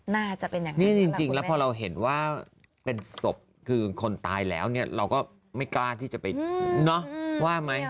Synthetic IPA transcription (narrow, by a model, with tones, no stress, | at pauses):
naː˥˩t͡ɕa˨˩ʔpe˧njaː˨˩ŋni˥˩t͡ɕi˧ŋt͡ɕi˧ŋlɛː˦˥pʰɔː˧ɾa˧wɦe˨˩˦nwaː˥˩ | pe˧nso˨˩p̚ | kʰɯː˧kʰo˧nt̪aː˧jlɛ̰ː˦˥wni˥˩ɐɾa˧wkɔː˥˩ | ma˥˩jklaː˥˩t̪ʰiː˥˩t͡ɕa˨˩pa˧jnɔ˦˥waː˥˩ma˦˥j